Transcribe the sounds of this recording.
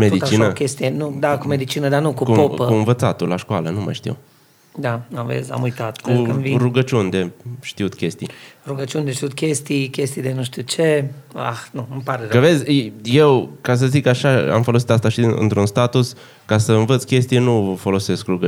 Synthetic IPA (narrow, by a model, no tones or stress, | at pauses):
med̪it̪t͡ʃinəkʲest̪ijenud̪akumed̪it͡ʃinəd̪anukukupopəkuɨnvət̪sat̪ulaʃkoalənuma̰jʃt̪ḭw | d̪anamvḛza̰mujt̪at̪kuamviɾuɡət͡ʃund̪e̞ʃt̪iut̪kʲe̞st̪ḭjɾuɡət͡ʃund̪eʃt̪iut̪kʲest̪ikʲest̪ijd̪enuʃt̪it͡ʃea̰xnuɨmpaɾekəve̞zʲje̞wkas̬əzikaʃaa̰mfo̞losi̥t̪ast̪aʃiɨ̰nt̪ɾunst̪at̪us | kasəɨnvət̪skʲe̞st̪ijenufo̞lo̞se̞skruɡə